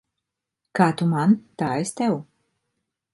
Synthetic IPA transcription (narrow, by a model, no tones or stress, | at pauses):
kaːt̪umant̪aːest̪ɛw